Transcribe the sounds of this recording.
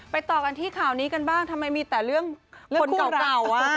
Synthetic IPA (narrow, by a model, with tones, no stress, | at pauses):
pa˧jt̪ɔː˨˩ka˧nt̪ʰiː˥˩kʰaː˨˩wniː˦˥ka˧nbaː˥˩ŋt̪ʰa˧mːa˧jmiː˧t̪ɛː˨˩ɾɯ˥˩əŋʰo˧nka˧˩˧ka˨˩wa˧˥˩